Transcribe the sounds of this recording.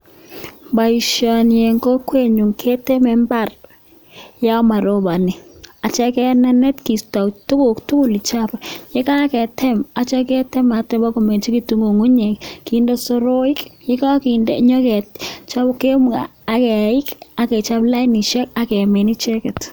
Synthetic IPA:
ba˨i˨ʃɔ˨nje˨ŋko˦kwe˦˨ɲu˨ŋkʰe˦te˦mɛ˦mba˦˨r | ja˦ɔ˦ma˨ɾo˦ba˨ni˨a˨t͡ʃɛ˦kɛ˦nɛ˦nɛ˦tki˨sta˨tʊ˦kʊ˨ktu˦kʊ˨li˨t͡ʃa˦bje˦ka˦kɛ˨tɛ˦ma˨t͡ʃɛ˦kɛ˦tɛ˦ma˨tɛ˦ba˦ko˨me˨nt͡ʃi˦ki˨tu˦ŋo˨ŋu˦ɲɛ˨kki˦nde˦so˦ɾo˦i˦kje˦ka˦ki˨ndeɲɔ˦kɛ˨tt͡ʃa˦bke˦m˦a̰ː˨˦kɛ˨ɪ˦ka˦kɛ˨t͡ʃa˦pla˦ni˨ʃɛ˦ka˦kɛ˨me˨ni˦t͡ʃɛ˦kɛ˨t

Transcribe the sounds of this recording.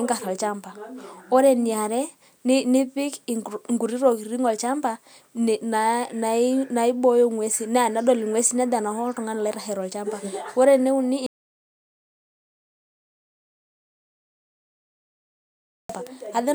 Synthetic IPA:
ŋɡa˨ɾɔ˨lt͡ʃa˦mba˨ɔ˦ɾɛ˨ni˨a˨ɾɛ˦ | ni˦ni˦pi˦kŋɡu˨ɾi˦ɾɔ˨kɾi˦ŋɔ˨lt͡ʃa˦mba˦ | n˨na˨na˨i˦na˨i˦bɔ˦jɔ˦˨ŋwɛ˦si˦nɛ˦a˨na˦dɔ˨li˨ŋwɛ˦si˦n˦a˦da˨na˨hɔ˦tɔ˨ŋa˦na˨la˦i˦ɾa˨hɛ˨ɾɔ˨lt͡ʃa˦mba˨wɔ˦ɾɛ˨nɛ˦u˦ni˦˨ | ba˨a˨ðɛ˦

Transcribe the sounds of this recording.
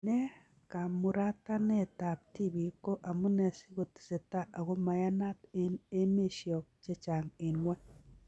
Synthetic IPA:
nɛ˦ | ka˨mʊ˨ɾa˦t̪a˦nɛ˦˨ta˨p̚ti˦bi˨ko˦ʔa˨mʊ˦nɛ˨si˦ɡo˨t̪i̥˨se˨ta˦ʔa˨ɡo˦ma˨ja˦na˦t̪ɪ˦ne˦me˦ʃjɔ˨k̚t͡ʃe˦t͡ʃa˨ŋɪ˨nwa˦

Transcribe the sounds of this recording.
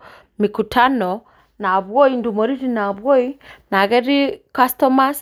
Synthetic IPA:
mi˨ku˨tʰanɔ | na˨βwɔ˦indumɔ˨ɾi˦ɾina˨βwɔ˦ina˨ɣɛ˦ɾi˦kastɔma˦s

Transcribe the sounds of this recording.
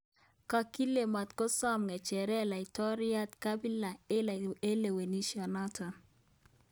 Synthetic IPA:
ka˦ki˦le˨ma˨t̪kɔ˦sa˦mŋɛ˨t͡ʃɛ˨ɾɛ˦˨la˨i˨tɔ˦ɾi˦a˦tka˦bi˦la˨e˦e˦le˨we˨ni˦ʃiɔ˨nɔ˦tʰɔ˨

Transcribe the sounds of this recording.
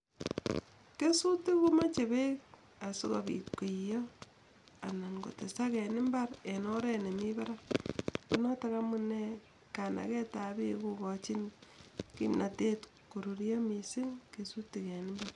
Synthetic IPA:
ke˦su˦ti˦ku˦ma˦t͡ʃe˨bek | a˨su˦ko˨bḭ˨tki˨jɔ˦ | a˨na˨ŋko̰˨te˨sa˦kɛ˨nɪ˦mbaɾe˨nɔ˦ɾɛ˦ne˨mi˦ba˦ɾa˦ku˨nɔ˦ta˦kamu˦ne | ka˨na̰˨kɛ˦ta˨bḭ˦ku˨kɔt͡ʃi˦nkḭ˦mnʔa˨te˦t | ko˨ɾu˨ɾjɔ˦mi˨si˦ŋke˨su˦ti˨kɛ˨nɪmbar

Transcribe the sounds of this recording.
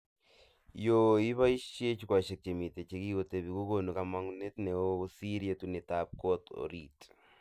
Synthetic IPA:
jo˨i˦βa˦i˦ʃe˦t͡ʃu˦kwa˨ʃe˨k̚t͡ʃe˨mi˨te˨t͡ʃe˦ki˦ɣo˨te˨βi˨ko˦ɣo˦nu˨ka˨ma˦ŋu˦ne˦tne˨o˦βo˦si˦ɾje˦tu˦ne˨tap̚ko˦to̰˨ɾit

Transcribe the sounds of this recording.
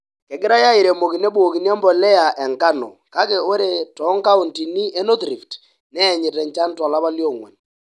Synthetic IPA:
kɛ˨ɡɪ˦ɾa˦ja˦i˨ɾe˨mo˨ki˨ne˦bu˦o˨ki˨n˦ɛ˦mbɔ˨lɛ˦a˨ʔɛ˨ŋka˦nɔ̰˨ka˦ke˨o˦ɾe˨tɔ˨˦ŋka˦u˨nti˨ni˦e˦no˦tɾi˨ft | nɛ˦˨ɲɪ˨tɛ˨ɲt͡ʃa˦n˦twɔ˨la˦ba˦ljo˦˨ŋwɛ̰˨n

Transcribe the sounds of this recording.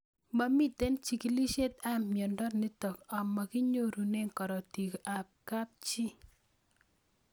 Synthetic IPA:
ba˦mi˦te˦nt͡ʃi˨ki˨li˦ʃe˦t̪̚a˦mmjɔ˨ndɔ˦tne˦tɔ˨ka˨mːa˨ki˦ɲo˦ɾu˨ne˦ŋkɔ˨ɾɔ˨ti˨kʔa˨p̚ka˦p̚t͡ʃi˦

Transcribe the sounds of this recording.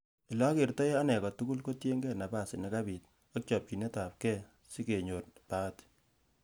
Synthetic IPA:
ɪ˨lɔ˦kɪ˨rtɔ˦a˦nɛ˨kɔ˨tu˦ku˦lko˦tje˦ŋɡɛ˦na˨pa˦˨sɪ˨nɛ˨ka˦bi˨t̚ | ɔ˦kt͡ʃɔ˨p̚ki˨ne˦ta˨p̚kɛ˦ | si˦ke˨ɲo˨tta˦t

